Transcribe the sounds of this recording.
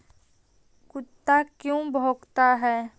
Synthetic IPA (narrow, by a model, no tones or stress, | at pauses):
kʊt̪ːakjõbʱoːkt̪aɦɛː